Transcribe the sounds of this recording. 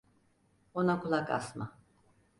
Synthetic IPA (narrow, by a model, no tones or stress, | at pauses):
onakulˠaka̰sma̰